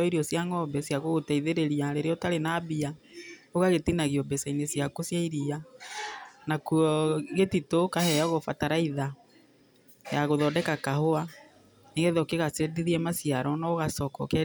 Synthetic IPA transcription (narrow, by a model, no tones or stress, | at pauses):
ɔiɾiɔsjaŋɔbɛsjaɣoɣotaiðeɾeɾiaɾeɾeɔtaɾenabiaoɣaɣetinaɣiɔbɛsainesjakosjaiɾia | nakuɔɣetitokahɛaɣofataɾaiða | jaɣoðɔdɛkakahoa | niɣɛðɔkeɣasediðiɛmasiaɾɔnaoɣasɔkɔ̰kɛ